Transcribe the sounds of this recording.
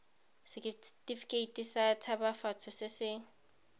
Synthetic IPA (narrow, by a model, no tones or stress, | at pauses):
sɪktʼifi̥kʼeitʼisatʰabafatʰʊsɪsɪ